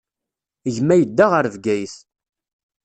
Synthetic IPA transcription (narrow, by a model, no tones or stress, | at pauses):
ʝmæjəd̪ːaʁəɾvɡæjs